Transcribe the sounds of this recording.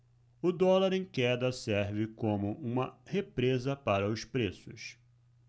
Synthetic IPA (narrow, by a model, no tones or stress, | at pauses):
ʊd̪ɔlaɾẽj̃kɛd̪ɐsɛɾvɪkõmʊʔũmɐhepɾezɐpaɾɐʊspɾesʊs